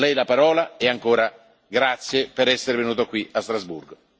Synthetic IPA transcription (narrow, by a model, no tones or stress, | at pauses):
lɛjlapaɾɔːlaeaŋkoːɾa | ɡɾat̪sjepeɾɛsːeɾevenuːt̪okwiast̪ɾazbṵrɡo